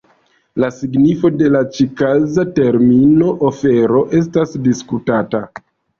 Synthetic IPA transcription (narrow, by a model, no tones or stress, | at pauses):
lasiɡnifo̞de̞lat͡ʃikazate̞ɾmino̞ʔofe̞ɾo̞ʔe̞s̬tasdiskutata